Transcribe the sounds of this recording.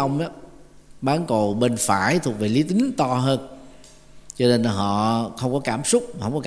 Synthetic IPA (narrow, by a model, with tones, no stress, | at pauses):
wŋ͡mʔaː˨˧˦ | ɓaː˨˦nko˨˩ɓe˧nfaː˧˩jt̪ʰʊ˨˩ək̚ve˨˩li˨˦t̪ï˨˦ŋt̪ɔ˧ɦəː˧n | t͡ɕɔ˧ne˧nː˨˩ɦɔ̰˧˨xə˧wŋ͡mkɔ˨˦kaː˧˩msʊ˦˥k͡p̚ma˨˩hə˧wŋ͡mkɔ˨˧